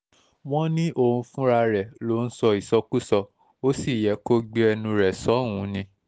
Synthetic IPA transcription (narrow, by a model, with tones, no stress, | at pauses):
w̃ɔ̃˦nĩ˦ʔo˦˨ũ˧fũ˦ɾa˧ɾɛ˨lo˨˦n̩˦sɔ˧i˨sɔ˧˦ku˦sɔ˧ | o˦si˦˨jɛ˨˦ko˦ɡ͡be˦ɛ˧nũ˧ɾɛ˨sɔ˨˦˨wũ˨˦nĩ˧